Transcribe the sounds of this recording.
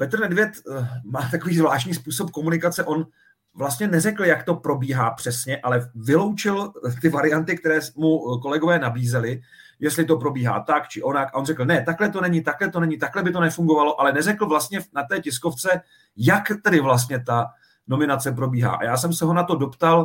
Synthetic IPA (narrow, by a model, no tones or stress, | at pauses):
pɛt̪r̩nɛdvjɛt̪maːt̪akoviːzvlaːʃtɲiːspuːso̞p̚ko̞munɪkat͡sɛʔo̞n | vlast̪ɲɛnɛrɛkl̩jakt̪o̞pɾo̞biːɦaːpr̥ɛsɲɛʔalɛvɪlo̞wt͡ʃɪlt̪ɪvaɾɪjant̪ɪk̚t̪ɛɾɛːmuko̞lɛɡovɛːnabiːzɛlɪ | jɛst̪lɪt̪o̞pɾo̞biːɦa̰ːt̪akt͡ʃɪʔo̞nakʔaʔonrɛkl̩nɛt̪aklɛt̪o̞nɛɲɪt̪aklɛt̪o̞nɛɲɪt̪aklɛbɪt̪onɛfuŋɡo̞valo̞ʔalɛnɛrɛkl̩vlast̪̚ɲɛnat̪ɛːcɪsko̞ft͡sɛ | jakt̪ɛdɪvlas̬t̪ɲɛt̪a | no̞mɪnat͡sɛp̬ɾo̞biːɦa̰ːʔa̰jaːsɛmsɛɦo̞nat̪o̞do̞pt̪al